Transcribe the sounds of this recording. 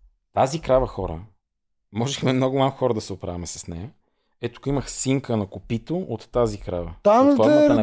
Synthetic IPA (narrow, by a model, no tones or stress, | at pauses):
t̪azikɾavəxɔɾə̰ | mɔʒɛxmɛmnɔɡʊmamxɔɾəd̪ɐsɛopɾavɐmɛsɐ̥snɛjə | ɛt̪u̥kiməxsiŋkənɐkʊpit̪oʔot̪ːazikɾavət̪a